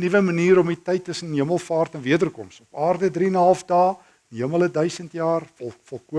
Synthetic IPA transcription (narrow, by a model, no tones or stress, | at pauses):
nivəməniːɾɔmitɛjtːəsənɦiəməlˠfɑːrtɛnviədərkɔ̰msɔpɑːrdədriənɦɐlˠfdɑː | ɦəmələdœɥsəntjɑːrfɔlˠkuə